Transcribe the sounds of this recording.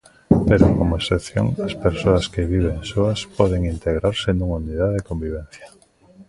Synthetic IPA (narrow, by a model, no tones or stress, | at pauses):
peɾʊkomʊeseθjo̰ŋɐspeɾsoɐskɪβiβ̞eŋsoɐspɔðeŋint̪eɣɾaɾsenuŋauniðaðekombiβ̞ẽn̟θja